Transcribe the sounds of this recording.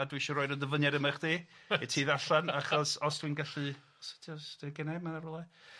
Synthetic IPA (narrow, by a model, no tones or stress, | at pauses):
adwiʃɔɾoːɨdəndəvənjaɾəmaχd̥iːitʰiːðaɬanaχɔsɔsd̥winɡaɬɨ | sɛ̥tʰiɔsd̥iɡɛnamaðaɾɔlˠɛ